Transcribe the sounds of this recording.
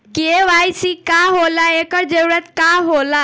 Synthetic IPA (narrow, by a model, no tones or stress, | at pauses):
kieʋajsikaɦolaekəɾd͡ʒəɾuɾət̪kaɦola